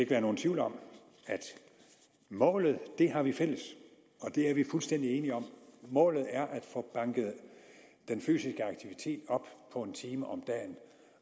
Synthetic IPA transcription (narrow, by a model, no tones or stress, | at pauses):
eɡəʋæːɐno̝ːn̩t͡sʰʋiʊ̰lɒ̽m̰ | æd̥ | mɔ̰̽ːlð̞̩ˠd̥e̝ɦɑ̈ʋifel̰əs | ɒ̽d̥e̝æɐʋifulsd̥en̰d̥ie̝ːniɒ̽m̰mɔ̰̽ːlð̞̩ˠæɐʔæd̥fɔ̽b̥ɑ̈ŋɡ̥ð̩ˠd̥enfy̰ːsisɡ̥əɑ̈ɡ̥̚t͡sʰiʋit͡sʰe̝̰ːd̥ɒ̽b̥pʰɒ̽e̝nt͡sʰiːməʔɒ̽md̥ɛ̰ːn